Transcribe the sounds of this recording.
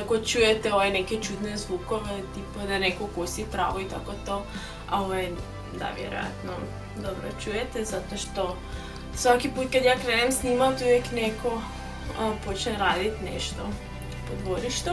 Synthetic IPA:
akot͡ʃujɛt̪ɛoʋɛnɛkɛt͡ʃud̪nɛzʋukoʋɛt̪ipad̪anɛkokosit̪ɾa̰ʋoit̪akot̪o | a̰oʋaj | d̪a̰ʋjɛ̰ɾo̰ja̰t̪no̰ | d̪obɾo̰t͡ʃujɛt̪ɛzat̪oʃt̪o | sʋakiput̪̚kad̪jakɾenɛmsnimat̪ujɛknɛko | pot͡ʃnɛɾad̪it̪nɛ̰ʃt̪o | pod̪voɾiʃt̪o

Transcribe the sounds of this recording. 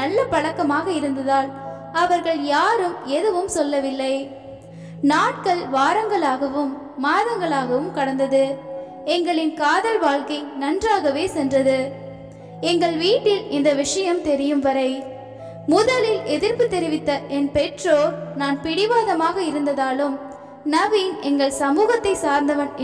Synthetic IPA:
ɐlːɐpɐɻɐkːɐmaːɣɐɪɾɯnd̪ɐðaːl | ɐʋɐɾɣɐɭjaːɾɯmɛðɯʋɯmsɔlːɐʋɪlːɐɪ | naːʈ̚kɐɭʋaːɾɐŋɡɐɭaːɣɐʋɯmː | aːðɐŋɡɐɭaːɣɐʋɯmkɐɽɐnd̪ɐðɯ | ɛŋɡɐɭɪnkaːðɐɾʋaːɭkɐɪnɐndraːɣɐʋeːsɛndrɐðɯ | ɛŋɡɐɭʋiːʈːɪlɪnd̪ɐʋɪʂɐjɐmt̪ɛɾɪjɯmʋɐɾɐɪ | mʊðɐlɪlɛðɪɾpɯt̪ːɛɾɪʋɪt̪ːɐʔɛnpɛʈroːnaːnpɪɽɪʋaːðɐmaːɣɐɪɾɯnd̪ɐðaːlɯm | nɐʋinɛŋɡɐɭsɐmuːɣɐt̪ːɐɪsaːɾnd̪ɐʋɐn

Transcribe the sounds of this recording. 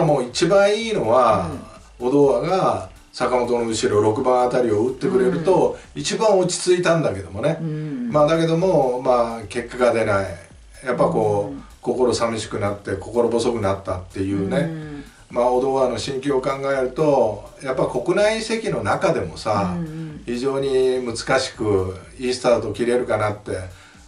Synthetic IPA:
amo̞ːit͡ɕibãɰ̃iːno̞βa | o̞d̪o̞ːaɡa | sakamo̞t̪o̞noɯ̟ɕiɾo̞ɾo̞kɯ̟bãat̪aɾʲio̞ɯt̪ːe̞kɯ̟ɾe̞ɾɯ̟t̪o̞it͡ɕibãɰ̃o̞t͡ɕi̥t͡sɨit̪ãnd̪ake̞d̪o̞̰mo̞ne̞maːd̪ake̞d̪o̞mo̞maːke̞kːaɡad̪e̞nai | japːaiko̞ː | ko̞ko̞ɾo̞samiɕi̥kɯ̟nat̪ːe̞ko̞ko̞ɾo̞bo̞so̞kɯ̟nat̪ːat̪ːe̞jɯ̟ːne̞ | maod̪o̞ːβano̞ɕĩŋkʲiokãŋɡaeɾɯ̟t̪o̞ | japːaiko̞kɯ̟naise̞kʲino̞nakad̪e̞mo̞saçiʑo̞ːɲ̟imɯ̟t͡sɨ̥kaɕi̥kɯ̟ | iːsɨ̥t̪at̪o̞kʲiɾe̞ɾɯ̟kanat̪ːe̞

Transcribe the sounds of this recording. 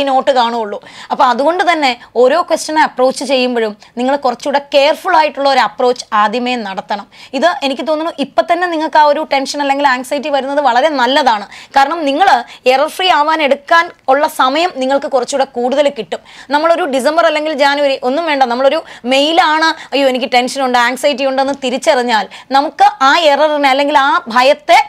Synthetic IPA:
no̞ːʈːɨkaːɳuoɭːuɐpːɐːɐðuɣo̞ɳɖɨt̪ɐnːe̞o̞ːɾo̞ːkʋesʈɐnaɐpro̞ːt͡ɕːɨt͡ɕe̞jːumboɻumniŋːɐɭkurɐt͡ɕːuɽeke̞ːrfuɭaːjiʈːuɭːɐo̞ɾuɐpro̞ːt͡ɕːɨ̥aːd̪ʱjɐmenɐɽɐt̪ːɐɳɐmiðɨʔe̞nikʲːɨt̪̬o̞ːnːunuʔipːot̪ːɐnːe̞niŋːɐɭkaːo̞ɾuʈe̞nʂɐnɐlːe̞ŋɡilaːŋsɐjit̬ːiʋɐɾunːɐðɨʋɐɭɐɾe̞nɐlːɐðaːɳɨkaːɾɐɳɐmniŋːɐɭerɐrfriaːʋaːne̞ɽukːaːnuɭːɐsɐmɐjɐmniŋːɐɭkɨkurɐt͡ɕːuɽekuːɽuðɐlekːiʈːumnɐmːɐɭo̞ɾuɖis̬embɐrɐlːe̞ŋɡild͡ʑaːniɐɾiʔo̞nːumʋe̞ːɳɖɐnɐmːɐɭo̞ɾume̞jlaːɳɨɐjːoːenik̬ʲːɨʈe̞nʂɐnuɳɖɨaːŋɡsɐjt̬ːijuɳɖe̞nːɨt̪iɾit͡ɕːɐriɲːaːlnɐmukːɨʔaːerɐrinɐlːe̞ŋɡilaːbʱɐjɐt̪ːe̞

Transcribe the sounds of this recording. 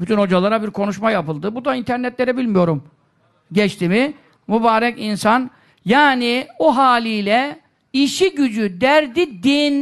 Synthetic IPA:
byt̪ʰynho̞d͡ʒalˠaɾabiɾkʰo̞nuʃmajapɯlˠd̪ɯbud̪aint̪ʰæɾnɛt̪lʲeɾɛbilʲmijo̞ɾum | ɟɛt͡ʃt̪ʰimi | mubaːɾɛkinsan | jaːnioɦaːlʲijlʲɛ | iʃiɟyd͡ʒyd̪æɾd̪id̪in

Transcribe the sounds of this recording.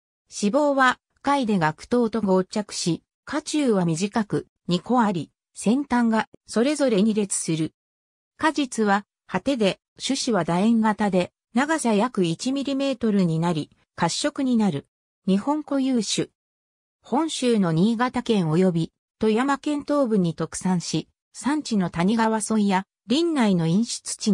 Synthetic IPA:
ɕibo̞ːβa | kaid̪e̞ɡakɯ̥t̪o̞ːt̪o̞ɡoːt͡ɕakɯ̟̥ɕi | kʰat͡ɕɨːβamʲiʑikakɯ̟ | ɲ̟iko̞aɾʲi | sẽ̞nt̪ãŋɡaso̞ɾe̞zo̞ɾe̞ɲ̟iɾe̞t͡sɨ̥sɨɾɯ̟ | kaʑit͡sɨβa | hat̪e̞d̪e̞ | ɕɨɕiβad̪aẽ̞ŋɡat̪ad̪e̞ | naɡasajakɯ̟it͡ɕimʲiɾʲime̞ːt̪o̞ɾɯɲ̟inaɾʲi | kaɕːo̞kɯ̟ɲ̟inaɾɯ̟ | ɲ̟ihõ̞ŋko̞jɯːɕɨ | hõ̞ɰ̃ɕɨːno̞ɲ̟iːɡat̪akẽ̞ɰ̃o̞jo̞bʲi | t̪o̞jamakẽ̞nt̪o̞ːbɯ̟ɲ̟it̪o̞kɯ̟̥sãɰ̃ɕi | sãɲ̟t͡ɕino̞t̪aɲ̟iɡaβasõ̞ĩja | ɾʲĩnːaino̞ĩɰ̃ɕi̥t͡sɨ̥t͡ɕi

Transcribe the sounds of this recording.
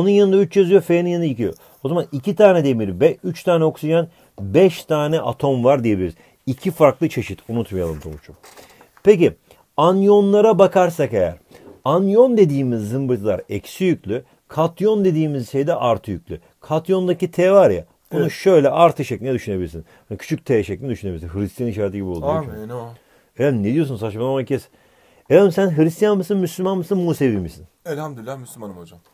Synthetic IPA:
onunjanɯnd̪ayt͡ʃjazɯjofejninjanicijo̰ | o̞zamanicʰit̪ʰaːnɛd̪emiɾbɛyt͡ʃt̪ʰaːnɛo̞ksid͡ʒan | bɛʃt̪ʰaːnɛʔa̰t̪ʰo̞mvaɾd̪ijebilʲiɾiz | icʰifaɾklˠɯt͡ʃʰe̞ʃit̪ʰunut̪majalˠɯmt̪ʰolˠut͡ʃʰum | pe̞ci | anjo̞nlˠaɾabakʰaɾsakejæ̰ɾanjo̞nd̪e̞d̪iːmizːɯmbɯt̪ʰɯlˠa̰ɾɛcsijycʰʲlʲy | kʰat̪ʰjo̞nd̪e̞d̪iːmizʃe̞jd̪ɛʔaɾt̪ʰɯjycʲlʲy̰ | kʰat̪jo̞nd̪acit̪ʰeːvaɾja̰ | b̥unuʃø̞jlʲɛʔaɾt̪ʰɯʃeclʲinɛd̪yʃynebilʲiɾsḭnhanicʰy̥t͡ʃʰyc̚ʲt̪ʰeːʃeclʲinʲɛd̪yʃyneilʲisinɦɯɾist̪ʰjanniʃaːɾat̪iɟibiolˠu | elad̪imned̪ijo̞sunsat͡ʃmanamacʰɛs | elanimsænɦɯɾist̪ʰijanmɯsɯnmyslʲymanmɯsɯnmuːsevimisinɛlʲhamd̪ylːamyslʲmanɯmod͡ʒam

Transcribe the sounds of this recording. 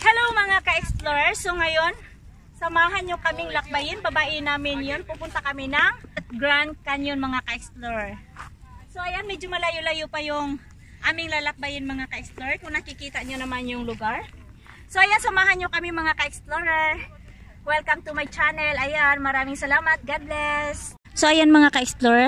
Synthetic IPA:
hɛlowŋmɐŋakɐʔɛksploɹɛɹso̞ŋɐjo̞n | sɐmaːɦɐnɲokɐmɪŋlɐk̚bajɪnbɐbaːʔɪnaːmɪnjonpupʊnt̪ɐkɐmɪnɐŋɡɾan̚kɐnjonmɐŋakɐʔɛksploɹɛɹ | so̞ʔɐjanmɛd͡ʒomɐlajolɐjopɐjʊŋ | ʔaːmɪŋlaːlɐk̚bajɪnmɐŋakɐʔɛksploɹɛkʊŋnɐkɪkiːt̪ɐɲonɐmanjʊŋlʊɡaɹ | soʔɐjansɐmaːɦɐnɲokɐmimɐŋakɐʔɛksploɹɛɹ | wɛlkɐmt̪umajt͡ʃanɛlʔɐjanmɐɾaːmɪŋsɐlaːmɐt̪̚ɡad̪lɛs | soʔɐjonmɐŋakɐʔɛksploɹɛ

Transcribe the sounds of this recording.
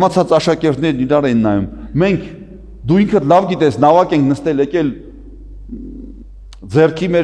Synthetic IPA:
mɑt͡sʰɑt͡sɑʃɑkɛɾt̪nɛɾniɾɑɾɛjinːɑjummɛŋkʰ | d̪uiŋkʰəlɑvɡit̪ɛsnɑvɑkɛŋkʰnəst̪ɛlɛkɛl | d͡zɛrkʰimɛ

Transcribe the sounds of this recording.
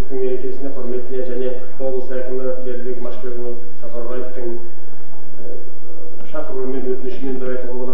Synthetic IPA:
t̪əŋme̞ɾe̞kʲe̞sɪne̞qʰʊɾme̞t̪ɪne̞ʒæne̞ | o̞blˠsɑjqəməje̞ɾd̪eɡʲɪmɑʃbʲeɡlˠə | sɑpɑɾʁɑjeft̪əŋ | ʃɑqəɾøɾme̞nwɵt̪ɪnɪʃɪme̞nbɪɾɑjt̪əlˠɑlˠɑd̪ɑ

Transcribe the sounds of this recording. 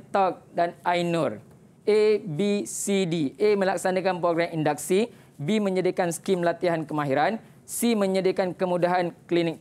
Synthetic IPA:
t̪ɔk̚danajnur | ebisidiemə̃laksanãkanpɾoɡɾamindak̚si | bimə̃ɲədiakanskimlat̪iɦankəmãɦiɾan | simə̃ɲədiakankəmũdaɦanklinɪk̚

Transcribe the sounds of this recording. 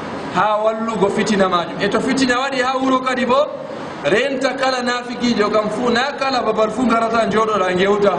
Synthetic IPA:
haːwalːuɡɔfitinamaːd͡ʒumɛtɔfitinawaɗihawuɾɔkaɗibɔ | ɾɛntakalanafikid͡ʒɔkamfunakalababaɾfuŋɡaɾataɲd͡ʒɔɗɔɾaŋɡɛwta

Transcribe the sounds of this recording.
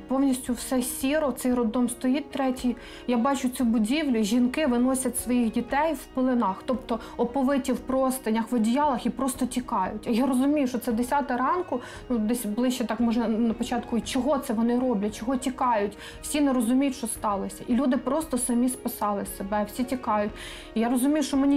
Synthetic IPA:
pɔwnʲisʲtʲʊwsɛsʲiɾɔt̪sɛjrɔd̪ɔmst̪ɔjit̚ʲt̪ɾɛtʲij | jabɑt͡ʃʊt͡sʲubʊdʲiwlʲʊʒʲinkɪʋɪnɔsʲɐtʲsʋɔjixdʲit̪ɛjwpɪlˠɪnɑxt̪ɔpt̪ɔ | ɔpɔʋɪtʲiwpɾɔst̪ɐnʲɐxʋɐdʲijɑlˠɐxipɾɔst̪ɔtʲikɑjʊtʲɐjaɾɔzʊmʲijʊʃɔtsɛd̪esʲɑt̪ɪɾɑnkʊ | nud̪ɛsʲblˠɪʃt͡ʃɛt̪ɑkmɔʒɛnɐpɔt͡ʃɑt̪kʊt͡ʃɔɦɔt̪sɛʋɔnɪɾɔblʲɐt͡ʃɔɦɔtʲikɑjʊtʲ | w̥sʲinɛɾɔzʊmʲijʊtʲʃt͡ʃɔst̪ɑlˠɔsʲɐʔilʲud̪ɪpɾɔst̪ɔsɐmʲispɪsɑlˠɪsebɛwsʲitʲikɑjʊtʲ | ijaɾɔzʊmʲijʊʃɔmɛnʲi

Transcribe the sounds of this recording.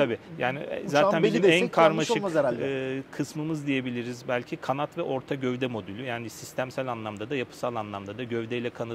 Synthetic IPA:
t̪ʰabiːjaːnḭzaːt̪ænbiiiiænkʰaɾɾmaʃɯeɾælʲːkʰɯsmɯmɯzd̪ije̞bilʲiɾizbælʲcʰikʰanat̪vɛʔo̞ɾt̪ʰaɟøvd̪ɛmo̞d̪ylʲyjaːnisist̪ʰæmsælʲanlˠamd̪ad̪ajapʰɯ̥salˠanlˠamd̪ad̪aɟøvd̪ɛjlʲɛkʰana

